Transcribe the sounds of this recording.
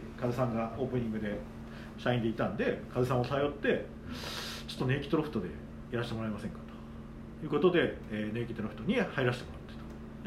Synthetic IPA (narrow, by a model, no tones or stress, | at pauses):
kazɨsãŋɡao̞ːpɯ̟ɲ̟ĩŋɡɯ̟d̪e̞ | ɕaĩnd̪e̞it̪ãnd̪e̞kazɨsãosajo̞t̪ːe̞ | t͡ɕot̪ːne̞ːkʲi̥t̪oɾoɸt̪od̪e̞̰ | iɾaɕit̪emo̞ɾaemasẽ̞ŋkḁt̪o̥ | jɯ̟ːko̞t̪o̞d̪e̞eːne̞ːkʲi̥t̪oɾoɸɯ̟t̪oɲ̟ihaiɾaɕi̥t̪e̞mo̞ɾat̪ːe̥t̪o̥ | d̪